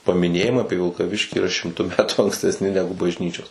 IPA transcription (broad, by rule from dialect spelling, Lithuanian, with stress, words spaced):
pɐmʲɪˈnʲeːjɪmɐɪ ˈɑːpʲiɛ ʋʲɪlˠkɐˈʋʲɪʃʲkʲiː iːˈrɐ ʃʲɪmˈtʊ ˈmʲæːtuː ɐŋksʲtʲɛsʲˈnʲɪ ˈnʲæːɡʊ bɐʒʲˈnʲiːt͡ʃʲoːs